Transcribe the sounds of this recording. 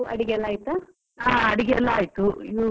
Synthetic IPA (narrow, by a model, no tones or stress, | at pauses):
ɐ̰ɽiɡeɛlːaːjt̪a | aːɐɽiɡeɛlːɐaːjit̪uḭd̪u